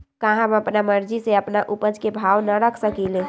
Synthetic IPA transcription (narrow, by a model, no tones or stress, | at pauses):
kaɦãməpnaməɾd͡ʒiseəpnaʔupəd͡ʒkebʱawnəɾəkʰsəkilẽ